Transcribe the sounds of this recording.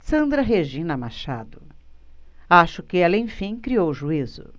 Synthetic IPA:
sɐ̃nd̪ɾɐɦeʒĩnɐmaʃa̰d̪ʊ | aʃʊkɪɛlɐẽj̃fĩj̃kɾiowʒuizʊ̰

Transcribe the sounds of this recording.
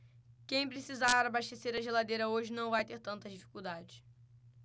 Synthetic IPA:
kẽj̃pɾesizaɾabaʃt̪eseɾɐʒelad̪ejɾɐoʒɪnɐ̃w̃vajt̪eɾt̪ɐ̃nt̪ɐzd͡ʒifi̥kuwd̪ad͡ʒɪʃ

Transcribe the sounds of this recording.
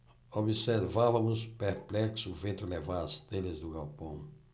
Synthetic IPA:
oβiseɾvavɐmʊspeɾplɛksʊuvẽnt̪ʊlevaɾɐst̪elɪzd̪ʊɣawpõw̃

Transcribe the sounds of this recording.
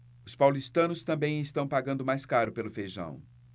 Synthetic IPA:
ʊspawlist̪ɐ̃nʊst̪ɐ̃mbẽj̃ɪst̪ɐ̃w̃paɡɐ̃nd̪ʊmajskaɾʊpelʊfejʒɐ̰̃w̃

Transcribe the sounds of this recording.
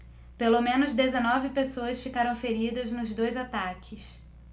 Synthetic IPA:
pelomẽnʊzd̪ezenɔvɪpesoɐsfikaɾɐ̃w̃feɾid̪ɐznʊzd̪ojzat̪akʰɪs

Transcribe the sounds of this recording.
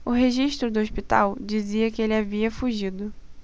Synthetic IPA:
ʊɦeʒiʃt̪ɾʊd̪ʊoʃpit̪a̰wd͡ʒiziɐkɪelɪaviɐfuʒid̪ʊ

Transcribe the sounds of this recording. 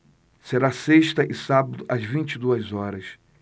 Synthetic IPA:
seɾaseʃt̪ɐʔɪsabɐd̪ʊʔɐzvĩt͡ʃid̪uɐzɔɾɐs

